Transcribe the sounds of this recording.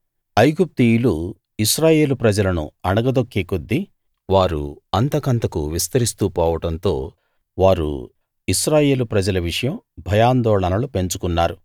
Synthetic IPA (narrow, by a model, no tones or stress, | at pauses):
ɐjɡup̚t̪ijulu | iʃɾaːje̞ːlupɾɐd͡ʒɐlɐnṵɐnɐɡɐd̪okːikod̪ːi | ʋaːɾṵɐnt̪ɐkɐnt̪ɐkuʋist̪ɐɾist̪upɔːʋɐʈɐnt̪o̞ː | ʋaːɾṵ | iʃɾaːje̞ːlupɾɐd͡ʒɐlɐʋiʂɐjɐmbʱɐjaːnd̪ɔːɭɐnɐlupe̞ɲt͡ʃukunːaːɾu